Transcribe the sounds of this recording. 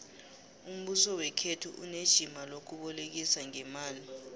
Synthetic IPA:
um̩ɓusɔwɛkʰetʰuʔuned̥ʒ̥ʱimalok̬uɓɔlek̬isaŋɛmaːli

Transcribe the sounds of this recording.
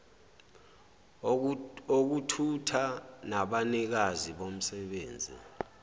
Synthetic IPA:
ok̬utʰutʰanaɓanik̬aziɓom̩sɛɓeːnd͡zʱḭ

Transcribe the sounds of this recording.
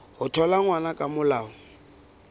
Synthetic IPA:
hʊtʰɔlaŋwanakʼamʊlaːɔ

